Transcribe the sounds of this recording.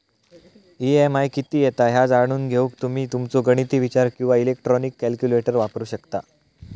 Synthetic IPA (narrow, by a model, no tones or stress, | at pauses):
iemajkit̪iːjet̪aɦjad͡zaɾɳ̃uːnɡʱeuːkt̪um̤iːt̪umt͡soɡəɽ̃it̪iːʋit͡ɕaɾkĩw̃ʋailek̚ʈɾɔnikːælkjuleʈəɾʋapɾuːɕəkt̪a